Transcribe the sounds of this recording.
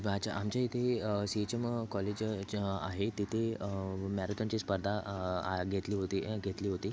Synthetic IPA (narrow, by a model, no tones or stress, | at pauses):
at͡ɕaʔamt͡ɕjait̪ʰesit͡ɕəmkɔled͡ʑa̰ɦet̪it̪ʰemɛɾət̪ãɲt͡ɕiːspəɾd̪ʱa | ɡʱet̪liːɦot̪iɡʱet̪liːɦot̪iː